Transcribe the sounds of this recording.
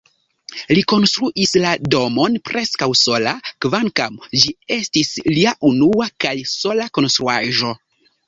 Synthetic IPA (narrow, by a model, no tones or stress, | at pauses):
liko̞nstɾuʔislado̞mo̞npɾʔe̞skawso̞lakvaŋkamd͡ʒie̞stisliaʔunuakajso̞lako̞nst̪ɾuaʒo̞